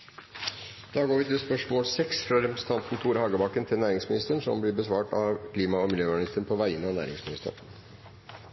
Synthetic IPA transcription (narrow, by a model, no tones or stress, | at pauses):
d̪̥ɑːɡoːɾʋɪt̪ʰɪlspœʂmoːlsɛksfɾɑɾɛpɾəsə̥n̩t̪ʰɑnt̪n̩t̪ʰuːɾhɑːɡəbɑkːənt̪ʰɪlnæːɾɪŋsmɪnɪst̪əɳʂɔ̰mblɪbəsʋɑːʈɑʋkʰliːmɑɔmɪljøːnɪst̪əɳpʰɔʋæɪənːəɑːnæ̰ːɾɪ̰ŋsmɪnɪst̪ə̰